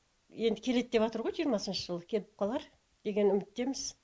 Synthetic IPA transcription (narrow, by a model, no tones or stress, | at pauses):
je̞nd̪ɪkʲʰe̞le̞t̪̚d̪e̞pɑt̪əɾʁo̞jʒijəɾmɑsənʃəʒəlˠəkʲʰe̞lɪp̚qʰɑlˠɑɾ | d̪̥e̞ɡʲe̞nʏmɪt̪ːe̞mɪz